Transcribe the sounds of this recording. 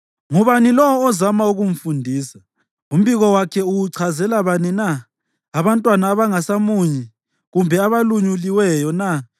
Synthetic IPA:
ŋuβanilɔwɔːzamauɣuɱ̩fundʱiːsḁ | um̩βiɣɔwakʰɛuwuǀʰazɛlaβaninaː | βantʼwanaːβaŋasamuɲi | ɣumbʱɛaβaluɲuliwɛjɔna

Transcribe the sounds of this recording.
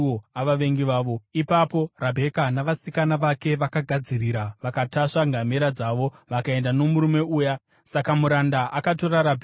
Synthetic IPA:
oaʋaʋe̞ŋɡiʋaːʋo̞ipapo̞rabʱe̞kanaʋasikanaʋake̞ʋakaɡʱad͡ziriɾaʋakataʂaŋɡameɾad͡zaʋo̞ʋakae̞ndano̞muɾume̞uːja | sakamuɾandaʔakato̞ɾaɾabʱ

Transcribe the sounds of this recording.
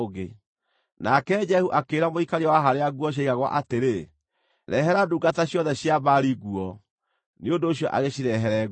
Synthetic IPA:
ɣe | nakɛd͡ʒɛhuʔakeːɾamoikaɾiawaɦaɾeaɣuɔɕ̬aiɣaɣwa̰ʔateɾe | ɾɛɦɛɾaduːɡataɕjɔðɛɕjaβaɾiɣuɔ | neondoːɕ̬jɔʔa̰ɣeɕiɾɛɦɛɾɛɣ

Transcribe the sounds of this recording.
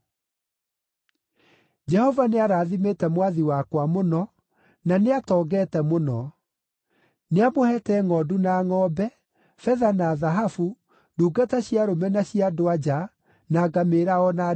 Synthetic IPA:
d͡ʒɛhɔvaneaɾaːðimetɛmwaðiwakwamonɔ | naneatɔːɡɛːtɛmonɔ | neamohɛtɛŋɔdunaːŋɔbɛ | fɛðanaðaɦafu | duːɡataɕjaɾomɛnaɕiadoad͡ʒa | naːɡameɾaɔna

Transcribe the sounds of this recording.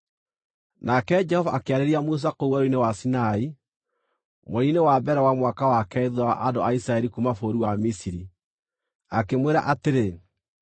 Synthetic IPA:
nakɛd͡ʒɛhɔvaʔakeaɾeɾiamus̬akouwɛɾoinewasinai | moɾinewabɛɾɛwamwakawakɛeðwaʔandoaisɾaɛɾikumafoɾuwamisiɾi | akemweɾa̰ʔateɾe

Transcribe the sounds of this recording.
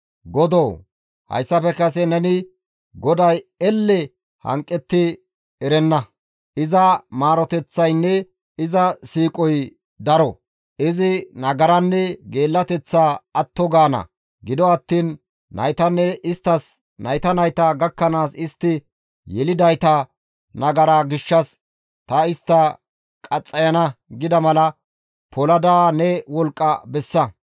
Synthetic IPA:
ɡɔd̪ow | hɐ̰jsːɐpɛkɐs̬ɛnɛnɪ | ɡɔd̪ɐjɛlːɛ | hɐ̰ŋkʼːɛt̪ːɪ | ɛɾɛnːɐ | ʔɪzɐmaːɾɔt̪ɛt͡sːɐjnːɛ | ɪzɐsiːkʼɔj | d̪ɐɾɔ | ɪzɪnɐɡɐɾɐnːɛɡe̞ːlːɐt̪ɛt͡sːaːɐt̪ːɔɡaːnɐ̰ | ɡɪd̪ɔɐt̪ːiːnː | ɐ̰jt̪ɐnːɛʔɪst̪ːɐs | nɐjt̪ɐnɐjt̪ɐɡɐkːɐnaːsɪst̪ːɪ | jɛlɪd̪ɐjt̪ɐ | nɐɡɐɾaːɡɪʃːɐs | t̪ɐɪst̪ːɐ | kʼɐt͡sʼːɐjɐnɐɡɪd̪ɐmɐlɐ | pʰɔlɐd̪aːnɛwɔlkʼːɐ̰bɛsːɐ

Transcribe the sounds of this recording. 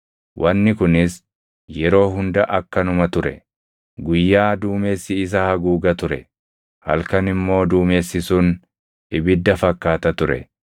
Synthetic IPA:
wʔɐnːɪkʊnɪs | jɛɾo̞ːɦʊnd̪ɐʔɐkːɐnʊmɐt̪ʊɾɛ̰ | ɡʊjːaːd̪uːme̞ːsːɪːs̬ɐhɐɡuːɡɐt̪ʊɾɛ̰ | hɐ̰lkɐnɪmːo̞ːd̪uːme̞ːsːɪsʊn | ɪbɪd̪ːɐfɐkːaːt̪ɐt̪ʊɾɛ̰

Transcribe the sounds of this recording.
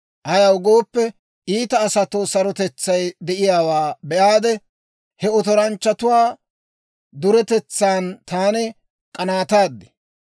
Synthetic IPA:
ʔɐjɐwɡo̞ːpːɛ | ʔiːt̪ɐːsɐt̪oːsɐɾɔt̪ɛt͡sːɐjd̪ɛʔɪjaːwaːbɛʔaːd̪ɛ | hɛɔt̪ɔɾɐnt͡ʃːɐt̪ʊwaː | d̪ʊɾɛt̪ɛt͡sːaːnt̪aːnɛ | kʼɐnaːt̪aːd̪ːɛ̥

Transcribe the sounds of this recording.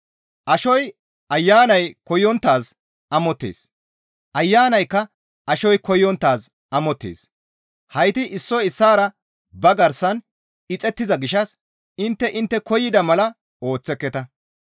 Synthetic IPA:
ʔɐʃɔj | ɐjːaːnɐjkɔjɔnt̪ːaːs | ɐmɔt̪ːḛːs | ʔɐjːaːnɐjkːɐ | ɐʃɔjkɔjːɔnt̪ːaːs | ʔɐmɔt̪ːḛːs | hɐjt̪ɪʔɪsːɔjɪsːaːɾɐ | bɐɡɐɾsɐn | ɪt͡sʼɛt̪ːɪzɐɡɪʃɐs | ɪnt̪ːɛʔɪnt̪ːɛkɔjɪd̪ɐmɐlɐ | o̞ːt͡sːɛkːɛt̪ɐ

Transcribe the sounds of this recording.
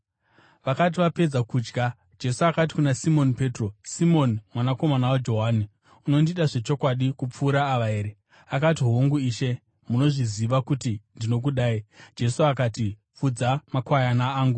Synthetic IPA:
ʋakat̬iʋape̞d͡zakuːd͡ʒɡa | d͡ʒe̞suakat̬i̥kunasimo̞npe̞ːtro̞simo̞nimwanako̞manawad͡ʒo̞ɦaːni | uno̞ndiɗaʐe̞t͡ʃo̞kwaɗikup͡fuːɾaːʋaɦe̞ːɾe̞ | akat̬iɦoŋɡuiːʃe̞ | muno̞ʐiziʋakutindino̞k̬uɗaːid͡ʒe̞suakati | fud͡zamakwajanaːŋɡu

